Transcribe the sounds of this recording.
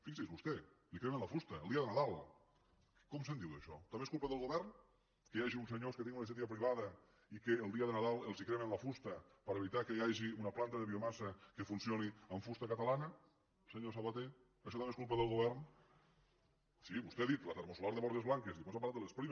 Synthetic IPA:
fiksezβust̪elikɾemenlafust̪ɐḛlˠd̪iɐðenaðalˠ | kɔmsend̪iw̪əʃɔt̪ambeskulˠpaðəlˠɣoβɛɾn | kejaʒiunseɲoskət̪eŋunes̬ɛt̪iapɾiβaðɐ | ikeːlˠd̪iɐðenaðalˠelˠzikɾemenlafust̪ɐ | pəɾeβ̞it̪akəjaʒiunɐplant̪ɐðeβiomasɐkefunsjoniəɱfust̪akat̪alanɐ | lseɲosaβat̪e | ɐʃɔt̪ambeskulˠpəðəlˠɣoβɛɾn | siβust̪eðit̪lat̪eɾmosulaɾðeɔɾt̪ezβlaŋkezðiposapaɾlat̪d̪elespɾim

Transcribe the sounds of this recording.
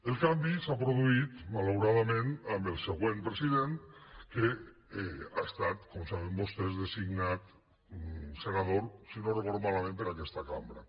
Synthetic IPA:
elˠkambisapɾoðuit̪malawɾaðamẽnambelˠseɣwempɾesiðenke | aest̪at̪komsaβembost̪ezðesiɡnat̪ | senaðoɾsinorefoɾmalamẽmpeɾakɛst̪akambɾa

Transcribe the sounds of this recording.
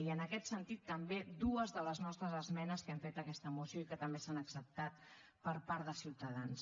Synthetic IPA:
iənəkɛt̪sənt̪it̪ːəmbed̪uəzðələznɔst̪ɾəzəzmɛnəskɛɱfet̪əkɛst̪əmusjoikət̪əmbesanəksəp̚t̪at̪̚ | pəɾpaɾðəsiwt̪əðans

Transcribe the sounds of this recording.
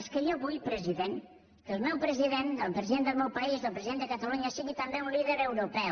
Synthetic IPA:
skəiaβujpɾəziðeŋ | kəlˠmɛwpɾəziðend̪əlˠpɾəziðend̪əlˠmɛwpɐizðəlˠpɾəziðend̪əkət̪aluɲaasiɣit̪əmbeunliðəɾəwɾupɛ

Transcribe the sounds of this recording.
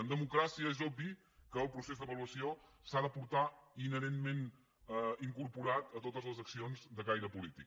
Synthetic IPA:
ənd̪əmukɾasiəezɔbi | kəːlˠpɾusezd̪əβəluəsiosaðəpuɾt̪ainəɾenmen | iŋkuɾpuɾat̪ət̪ot̪əzləzəksionzd̪əkajɾəpulit̪ik

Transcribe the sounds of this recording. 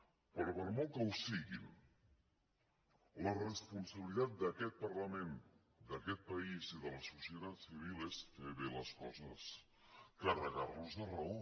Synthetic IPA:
pəɾɔpəɾmɔlkəwsiɣim | lərəspunsəβilit̪at̪̚d̪əkɛt̪̚pəɾləmen | d̪əkɛt̪̚pəiziðələsusjət̪at͡siβ̞ilest̪eβeləskɔzəs | kərəɣarluzðərəo

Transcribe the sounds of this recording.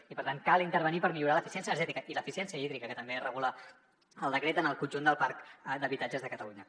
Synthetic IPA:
ipəɾt̪ankalˠint̪əɾβənipəɾmiʎuɾaləfisiɛnsiənəɾʒɛt̪ikəʔiləfisiɛnsiəiðɾikəkət̪əmberəɣ̞ulə | əlˠd̪əkɾet̪ənəlˠkunʲʒund̪əlˠpaɾkd̪əβit̪ad͡ʒəzðəkət̪əluɲə

